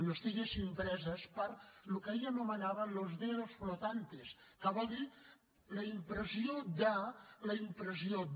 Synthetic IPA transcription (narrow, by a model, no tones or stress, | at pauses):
nost̪iʎesimpɾɛzəspəɾlukəeʎənomənaβənlozðeðosflot̪ant̪es | kəβɔlˠd̪i | lɐimpɾəziod̪alɐimpɾəzio